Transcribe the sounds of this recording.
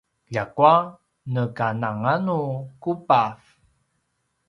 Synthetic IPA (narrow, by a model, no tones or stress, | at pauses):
ʎakua | nəkanaŋanukupaf